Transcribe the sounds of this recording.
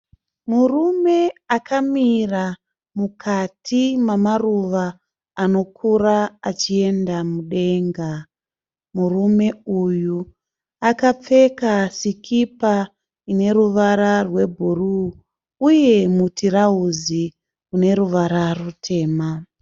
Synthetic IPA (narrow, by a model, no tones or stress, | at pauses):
murume̞akamira | mukʰatʰimamaruʋaː | no̞kʰuɾaat͡ʃie̞ndamuɗe̞ːŋɡa | murume̞uju | akap͡fe̞kasikʰipa | ine̞ruʋaɾarwe̞bʱuruː | je̞mutʰiraɦuzi | une̞ruʋaɾarutʰe̞ːma